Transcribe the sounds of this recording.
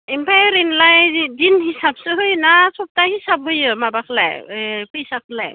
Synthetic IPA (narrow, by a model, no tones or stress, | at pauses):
impʰajɾinlajdinhisab̚sɯɦɯjnasɔp̚tahisab̚ɦɯjɯmabakʰla̰jpʰɯjsak̚ʰla̰j